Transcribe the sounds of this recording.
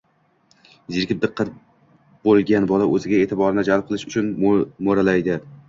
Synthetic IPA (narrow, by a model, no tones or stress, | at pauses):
zɪɾkʲɪp̚d̪ɨqʰːɑt̪ | bolˠɡʲanbɒlaʔɵzɪɡʲae̞ːt̪ʰɪbɒɾɪnɪd͡ʒalˠp̚qʰɨlˠɪʃʊt͡ʃʰʊnmoɾalajd̪ɪ